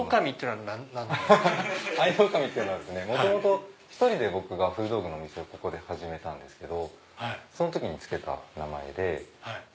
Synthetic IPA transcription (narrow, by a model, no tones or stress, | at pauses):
okamʲit̪eiɯnoa | aidokamʲit̪ːejiɯ̟noad̪esɨne̞mot̪o̞mo̞t̪oçi̥t̪o̞ɾʲid̪e̞bo̞kɯ̟ɡaɸɯ̟ːd̪o̞ːɡɯ̟noːmʲise̞oko̞ko̞d̪e̞haʑime̞t̪ãnd̪e̞sɨ̥ke̞d̪o̞ | haiso̞no̞t̪o̞kʲiɲ̟it͡sɨ̥ke̞t̪a̰nama̰e̞̰d̪e̞hai